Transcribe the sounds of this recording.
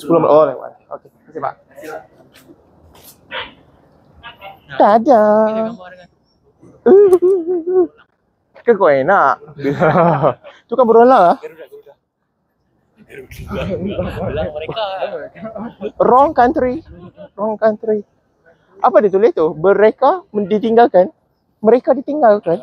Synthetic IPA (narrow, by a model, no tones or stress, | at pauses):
sə̥pulomaʔolawa̰ | o̰ke | ətiba̰ʔ | t̪ada | ə | kəkoenaʔbila | t̪ukanbəɾolalah | rɔŋkant̪ɾirɔŋkant̪ɾi | ʔapadit̪ulɪht̪ubəɾekamdit̪iŋɡalkan | məɾekadit̪iŋɡalkan